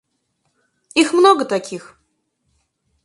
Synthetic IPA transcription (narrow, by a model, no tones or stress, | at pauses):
ixmnoɡət̪ɐkʲix